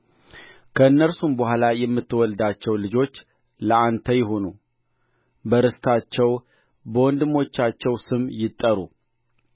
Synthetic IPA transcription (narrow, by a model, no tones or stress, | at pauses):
kʰəɨnːəɾsumbəhʷalajɛmːɨt̪ʰːwɔld̪at͡ʃːɛwlɨd͡ʒo̞t͡ʃː | ləant̪ʰəjɪɦo̞nu | bəɾɨst̪ʰat͡ʃːɛw | bəwɔnd̪ɨmo̞t͡ʃːat͡ʃːɛwsɨmjɪt̪ʼːəɾu